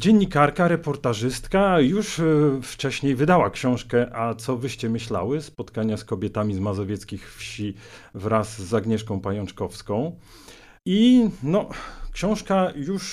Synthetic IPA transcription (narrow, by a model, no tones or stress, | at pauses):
d͡ʑeɲːikaɾkaɾɛpɔɾt̪aʐɘst̪kajuʂft͡ʂɛɕɲejvɘd̪awakɕɔ̃w̃ʂkɛʔat̪sɔvɘɕt͡ɕɛmɘɕla̰wɘspɔt̪kaɲaskɔbʲɛt̪amʲizmazɔvʲjɛt̪skʲixfɕivɾasːaɡɲɛʂkɔ̃w̃pajɔnt͡ʂkɔfskɔ̃w̃ | inɔkɕɔ̃w̃ʂkajuʂ